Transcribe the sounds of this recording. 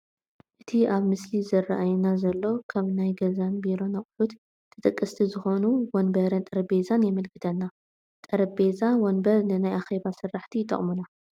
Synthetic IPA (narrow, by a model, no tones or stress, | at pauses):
ʔɨt̪ʰiʔaβmɨslizɐrːa̰ʔajunazɐlːo̞kʰaβnajɡɐzanbiɾo̞nɐχʼħut̪ | t̪ʰːɐt̪ʼɐkʼːɐst̪ʰizɨxo̞nuwɔnbɐɾɐnt̪ʼɐɾɐbezanjɛmɐlkʰɨ̥t̪ʰɐnːa | t̪ʼɐɾɐbe̞zawɔnbɐɾnɨnajʔaxe̞βasɨrːaħt̪ʰit̪ʼːɐ̰χʼmuna